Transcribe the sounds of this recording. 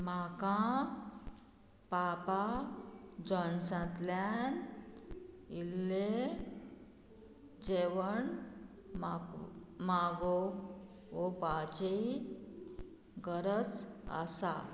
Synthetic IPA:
m̤akã | papa | d͡ʑɔnsãt̪lan | ilːe | d͡ʑeʋəɳ | mamaɡo | obad͡ʑei | ɡəɾət͡sə̰sa

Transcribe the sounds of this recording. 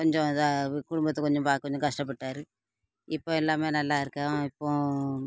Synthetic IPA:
koɲd͡ʒõkuɽʊmbɐt̪ːɐkɔɲd͡ʒombaːkːoɲd͡ʒõŋkɐʂʈɐp̬ːɐʈːaːɾɯ | ipːoːɛlːaːmeːɾnɐlːaːɪɾɯkːãːipːõː

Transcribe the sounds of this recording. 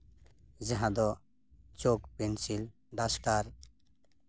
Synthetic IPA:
zaɦãd̪ɔ | t͡ʃokpensil | ɖasʈaɾ

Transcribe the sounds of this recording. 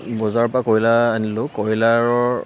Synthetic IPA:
bɔzaɹpakɔɹilaːnilʊkɔɹilaɹɔɹ

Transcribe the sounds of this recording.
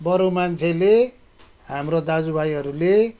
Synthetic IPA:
bʌɾomant͡sʰele | hamrod̪ad͡zubajɦʌɾule

